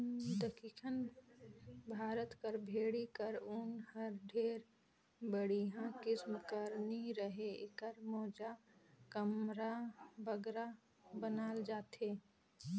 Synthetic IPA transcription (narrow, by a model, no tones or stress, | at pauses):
d̪əkiːkʰən | bʱaːɾət̪kəɾbʱeːɽikəɾʊnhəɾɖʱeːɾ | bəɽiɦãkɪsmkəɾniɾəɦekəɾmɔːd͡ʒakəmɾabəɡɾa | bənaːld͡ʒaːt̪eː